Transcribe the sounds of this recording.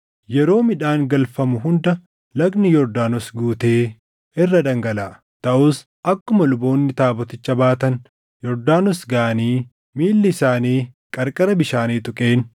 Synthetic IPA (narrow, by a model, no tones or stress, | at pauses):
jɛɾo̞ːmɪᶑaːŋɡɐlfɐmʊɦʊnd̪ɐ | lɐɡnɪjɔɾd̪aːnɔsɡuːt̪e̞ː | ɪrːɐd̪ɐŋɡɐlaː | t̪ɐʔʊs | ʔɐkːʊmɐlʊbo̞ːnːɪt̪aːbɔt̪ɪt͡ʃːɐbaːt̪ɐn | jɔɾd̪aːnɔsɡaːɐniː | miːlːɪsaːniː | kʼɐɾkʼɐɾɐbɪʃaːniːt̪ʊkʼeːn